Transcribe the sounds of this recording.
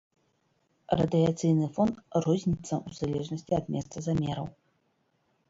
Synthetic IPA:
rɐ̰d̪ɨat̪sɨjnɨfɔnt̪rɔzʲnʲit̪sːɐʔuz̥alʲɛʐnɐsʲt͡sʲiɐd̪mʲɛst̪sɐzamʲɛɾɐw

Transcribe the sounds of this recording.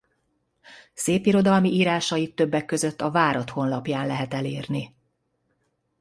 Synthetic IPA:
seːpiɾo̞d̪ɒlmiʔiːɾaːʃɒjit̪ːøbːɛkːø̞zø̞t̪ːɒvaːɾɒt̪ho̞nlɒpjaːnlɛɦɛt̪ɛleːrni

